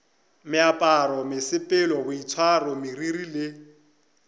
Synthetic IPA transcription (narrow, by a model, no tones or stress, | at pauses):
mɪapʼaɾɔmɪsɪpʼɪlɔɣʊit͡sʰwarɔmɪririlɪ